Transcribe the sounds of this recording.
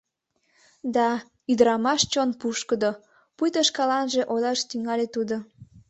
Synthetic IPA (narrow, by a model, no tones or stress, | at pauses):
d̪ɑ | yd̪ɾɑmɑʃt͡ɕonpuʃkəd̪o | pujt̪əʃkɑlɑnʒe̽ʔolɑʃt̪yŋɑlʲet̪ud̪o